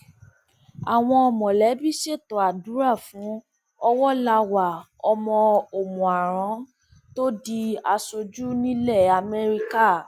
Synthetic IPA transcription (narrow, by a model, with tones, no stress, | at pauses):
a˨w̃ɔ̃˧ɔ˧mɔ̃˨lɛ˨˦bi˦˨ʃe˦˨tɔ˨a˨du˨˦ɾa˦˨fũ˨˦ | ɔ˧wɔ˦la˧wa˨ | ɔ˧mɔ̃˧o˨mũ˨a˨ɾ̃ã˨˦ | to˦di˧a˧so˧d͡ʒu˦nĩ˦lɛ˦˨a˨mɛ˦ɾi˧ka˦˨